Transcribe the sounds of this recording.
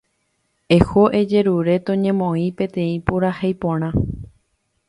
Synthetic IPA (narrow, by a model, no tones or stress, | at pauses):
e̞hoʔed͡ʒe̞ɾuɾe̞t̪õɲẽmõĩpẽ̞t̪ẽ̞ĩpoɾahejpõɾ̃ã